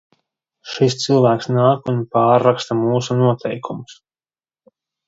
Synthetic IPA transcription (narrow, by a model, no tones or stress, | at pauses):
ʃist̪silˠvæːksnaːkunpaːɾːakst̪amuːsunuɔt̪ʰɛjkʰumus